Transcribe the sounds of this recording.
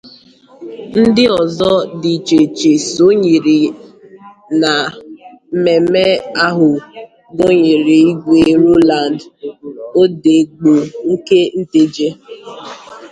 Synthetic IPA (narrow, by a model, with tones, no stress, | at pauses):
n̩˦dɪ˦ɔ˨zɔ˦di˨t͡ʃe˨t͡ʃe˨so˦ɲi˨ɾi˨ | na˨˦ | me˨me˦a˦ɦʊ˨ | ɡo˦ɲi˨ɾi˨i˦ɡʷe˨ɾo˦la˨nd | o˦de˨ɡ͡bo˨ŋ̩˦ke˦n̩˦te˦d͡ʒe˦